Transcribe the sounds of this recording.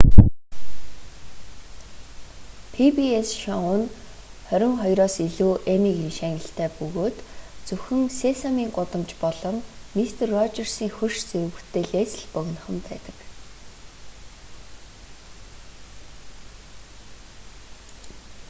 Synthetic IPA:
pʰipiesʃɔŋʊn | χœɾʲɪ̆ŋχɔjɾɔːsiɮuːʔemiːkinʃæːŋʲə̆ɬt̪ʰæːpɵɣoːt̪t͡sɵxɘ̆ŋsesamiːŋɢʊt̪ə̆mt͡ɕpɔɮɞ̆mːist̪ʰerːɔt͡ɕɪ̆rsiːŋxɵrʃt͡seɾ̆wɘ̆kt̪ʰːeːɮeːt͡sɘ̆ɮpœɣ̆ʲn̆χə̆mpæːt̪ə̥̆k

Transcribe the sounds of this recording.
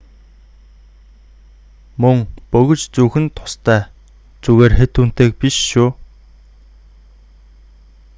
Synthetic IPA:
mɵŋpɵɣɵ̆t͡ɕt͡suːxɘ̆nt̪ʰʊ̥st̪ʰæː | t͡suɣeːrxet̪uːn̥t̪eːk̚piʃːuː

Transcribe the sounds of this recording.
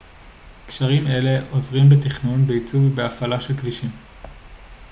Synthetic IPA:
kʃaʁime̞le̞ʔo̞zʁimbetiχnunbeit͡suvbeafalaʃe̞lkliʃim

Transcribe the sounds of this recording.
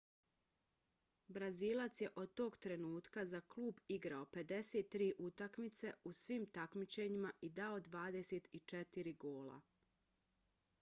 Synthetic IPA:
bɾaziːlˠat̪sje̞ʔo̞d̪̚t̪o̞ːɡt̪ɾe̞nuːt̪kazakluːbiɡɾao̞pe̞d̪e̞set̪ːɾiːʔut̪akmit̪se̞usʋiːmt̪akmit͡ɕe̞ɲimaʔid̪aod̪ʋaːd̪ese̞t̪it͡ʃet̪iɾiɡo̞ːlˠa̰

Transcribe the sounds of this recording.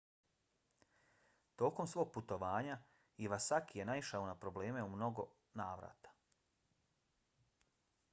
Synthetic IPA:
t̪o̞ːko̞msʋo̞ːɡ̚put̪o̞ʋaːɲa | iʋasakijenaiʃaonapɾo̞bleːme̞umno̞ɡo̞ | naːʋɾa̰ːt̪ḁ

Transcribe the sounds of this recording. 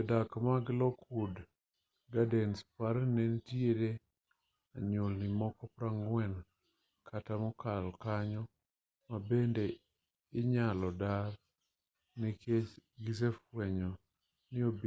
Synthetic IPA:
ɛdakmaɡlɔkʰud | ɡadɛnspaɾnentjeɾe | aɲolnɪmɔkɔpɾaŋwɛn | kʰatamɔkalkaɲɔ | mabende | ɪɲalɔdar | niket͡ʃɡɪsefwɛɲɔ | nɪob

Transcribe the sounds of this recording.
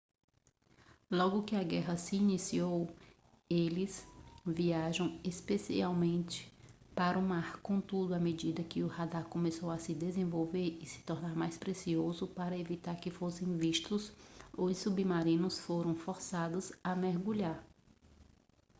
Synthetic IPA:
lɔɡʊkɪaɡɛɦɐsɪinisiow | elɪsviaʒɐ̃w̃espesḭawmẽnt͡ʃɪ̥ | paɾʊmaɾkõt̪ud̪ʊamed͡ʒid̪ɐkɪʊhad̪akõmesowɐsɪd̪ezẽvowveɾɪsɪ̥t̪ɔɾnaɾmajspɾesiozʊpaɾɐevit̪aɾkɪfosẽj̃viʃt̪ʊsosubimaɾĩnʊsfoɾɐ̃w̃fɔɾsad̪ʊzɐmeɾɡuʎaɾ

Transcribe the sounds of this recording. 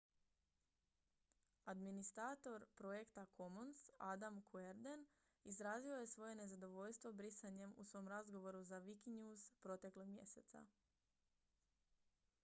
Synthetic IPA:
ad̪minist̪ɾat̪o̞ɾpɾo̞je̞kt̪akʰo̞monsad̪amkʰueɾd̪e̞n | izɾaːzio̞je̞sʋo̞je̞ne̞zad̪o̞ʋoʎst̪ʋo̞bɾisaɲe̞mṵsʋo̞mɾazɡo̞ʋo̞ɾuzaʋikiɲjuːzpɾo̞t̪e̞klo̞ɡmʲje̞̰se̞t̪sa̰

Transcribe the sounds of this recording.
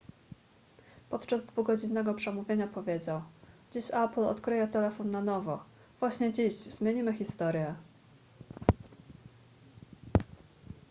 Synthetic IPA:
pɔt̪t͡ʂazd̪vuɡɔd͡ʑinːɛɡɔpʂɛmuvʲjeɲapɔvʲjed͡ʑawd͡ʑiɕaplɔ̰t̪kɾɘjɛt̪ɛlɛfɔnːanɔvɔ | v̥waɕɲɛd͡ʑiɕzmʲjeɲimɘxʲist̪ɔɾjɛ

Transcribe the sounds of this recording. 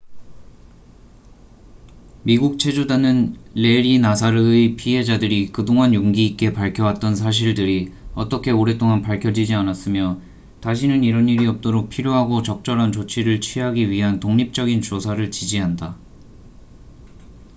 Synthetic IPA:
miɡuk̚t͡ɕʰe̞d͡ʑudanɯnle̞ɾinasʰaɾɯpʰiɦe̞d͡ʑadɯɾikɯdoŋanjoŋɡiːk͈e̞paɭkʰjʌwat͈̚ʌnsʰaɕ̬ʰiɭdɯɾiʌt͈ʌkʰe̞oɾe̞t͈oŋanpaɭkʰjʌd͡ʑid͡ʑianas͈ɯmjʌ | taɕ̬ʰinɯniɾʌniɾiʌp̚t͈oɾok̚pʰiɾjoɦaɡot͡ɕʌk̚t͡ɕ͈ʌɾɦant͡ɕot͡ɕʰiɾɯɭt͡ɕʰɥiɦaɡiɥiɦantoŋɲip̚t͡ɕ͈ʌɡint͡ɕosʰaɾɯɭt͡ɕid͡ʑiɦanda

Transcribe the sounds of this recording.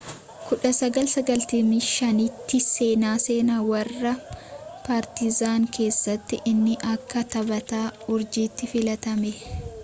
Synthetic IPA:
kʊᶑɐsɐɡɐlsɐɡɐlt̪ɪmiʃɐnit̪ːɪse̞ːnaːse̞ːnaːwɐrːɐpaːɾt̪ɪzaːŋkʰe̞ːsːɐt̪ːɪʔɪnːɪʔɐkːɐt̪ɐbɐt̪aːʊɾd͡ʒiːt̪ːɪfɪlɐt̪ɐmɛ

